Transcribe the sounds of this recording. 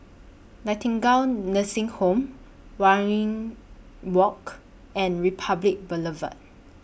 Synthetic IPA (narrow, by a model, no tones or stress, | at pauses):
natĩŋɡãwnnəsĩŋhõm | waɹĩŋ | wɔk | ɛ̃nɹipʰablik̚bələvə̰t̚